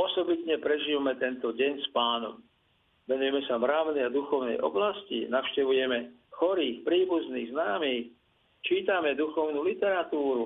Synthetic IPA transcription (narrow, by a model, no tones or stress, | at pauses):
ɔsɔbit̪ɲɛpɾɛʒiːʋamɛt̪ɛnt̪ɔɟɛɲspaːnɔ̰m | ʋɛnujɛmɛsamɾaʊniad̪uxɔʊnɛ̰jʔɔ̰blascḭnaʊʃcɛʋujɛmɛ | xɔɾiːxpɾiːbuzniːɣznaːmiːx | t͡ʃiːt̪amɛd̪uxɔʊnulit̪ɛɾat̪uːɾu